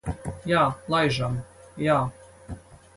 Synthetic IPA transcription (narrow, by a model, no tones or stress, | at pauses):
jaːlˠajʒamjaː